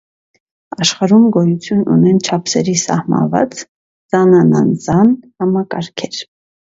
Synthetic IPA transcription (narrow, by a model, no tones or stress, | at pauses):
ɑʃχɑɾumɡɔjut͡sʰjunṵnɛnt͡ʃʰɑpʰsɛɾisɑ̰hmɑ̰nvɑ̰t͡s | z̥ɑnɑnɑnzɑnhɑmɑkɑɾkʰɛɾ